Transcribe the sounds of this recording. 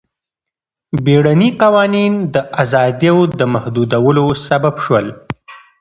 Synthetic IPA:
beɽaniqawɑnind̪əʔazɑd̪jawd̪əmahd̪ud̪awəlosababʃwəl

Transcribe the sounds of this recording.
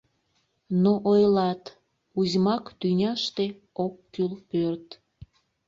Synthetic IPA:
noʔojlɑt̪ | uzʲmɑkt̪ynʲɑʃt̪e | okːylpørt̪

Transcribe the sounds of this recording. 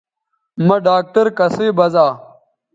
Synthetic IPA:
mɐɖaːk̚ʈɐɾkɐseːbɐzaː

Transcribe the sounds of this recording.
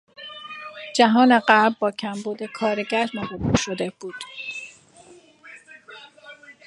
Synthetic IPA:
d͡ʒæɦɒːne̞ɢæbbɒːcʰæmbuːd̪e̞kʰɒːɾeɟæɾmobɒbuʃod̪e̞b̥uːd̪̥

